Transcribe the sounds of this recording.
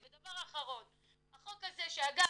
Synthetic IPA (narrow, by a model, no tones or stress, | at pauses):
bed̪avaʁaχaʁo̞n | haχo̞kaze̞ʃeaɡa